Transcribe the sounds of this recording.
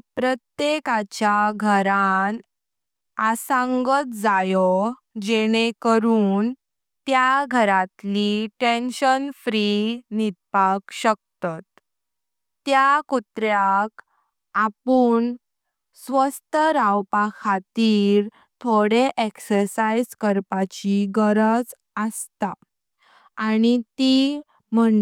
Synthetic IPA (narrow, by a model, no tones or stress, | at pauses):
pɾət̪jekat͡ɕjaɡʱəɾan | asãŋɡət̪d͡zajɔ | d͡ʑeɽ̃ekəɾuːn | t̪jaɡʱəɾat̪liʈenɕənfɾinid̪̚pakɕək̚t̪at̪ː | jakut̪ɾjak | apuːn | sʋəst̪ʰəɾawpakʰat̪iːɾ | t̪ʰoɽeʔeksəɾsajd͡zkəɾpat͡ɕiɡəɾəd͡z | əst̪a | aːɽ̃it̪i | m̤əɳ